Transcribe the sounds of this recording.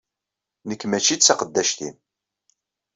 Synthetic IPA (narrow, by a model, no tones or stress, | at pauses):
nəkːmæt͡ʃːid̪t͡sːaqəd̪ːæʃt̪ḭn